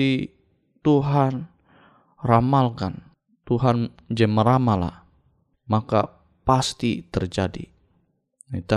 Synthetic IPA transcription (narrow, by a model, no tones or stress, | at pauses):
i | t̪uɦan | ramalkan | t̪uɦan | d͡ʒɛməɾamala̰h | maka̰ | past̪ḭt̪ərd͡ʒadḭ | it̪a